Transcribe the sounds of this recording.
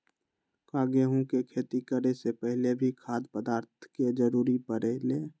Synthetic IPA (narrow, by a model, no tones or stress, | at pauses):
kaːɡeɦũkekʰeːt̪ikəɾesepəɦlebʱikʰaːd̪pəd̪aːɾt̪ʰked͡ʒəɾuːɾipəɾeleː